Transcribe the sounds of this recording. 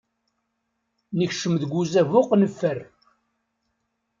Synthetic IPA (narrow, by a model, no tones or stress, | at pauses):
nəçʃəmðɡʷuzævʊqnəfːər